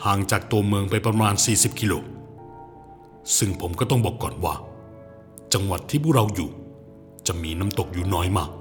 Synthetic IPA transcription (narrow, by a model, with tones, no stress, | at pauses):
haː˨˩ŋt͡ɕaː˨˩k̚t̪u˧ɐmɯː˧ŋpa˧jpɾa˧maː˧nsiː˨˩si˨˩p̚kʰi˧loː˧ | sɯ˥˩ŋpʰo˩˦mkɔː˥˩t̪ɔ˥˩ŋbɔː˨˩kːɔː˨˩nwa̰ː˥˩ | t͡ɕa˧ŋwa˨˩t̪ʰːiː˥˩pʰuː˥˩ɾa˧wjuː˨˩ | t͡ɕa˨˩miː˧na˦˧˥mt̪o˨˩k̚juː˨˩nɔː˦˥jmaː˥˩k̚